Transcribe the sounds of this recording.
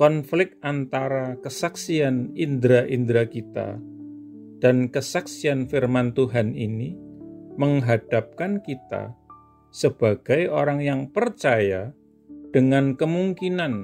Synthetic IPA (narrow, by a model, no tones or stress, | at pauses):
kɔnflɪk̚t̪̚ʔant̪aɾakəsaksianind̪ɾaʔind̪ɾakit̪a̰ | d̥ankəsaksianfirmant̪uɦaniniməŋɦad̥ap̚kankit̪a̰ | səb̥aɡ̥ajoɾaŋjaŋpərt͡ʃaja | d̥əŋankəmuŋkinan